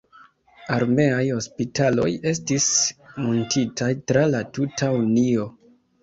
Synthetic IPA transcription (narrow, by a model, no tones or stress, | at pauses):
aɾme̞ajho̞spitalo̞je̞stismontitʰajtɾalatutʰaunio̞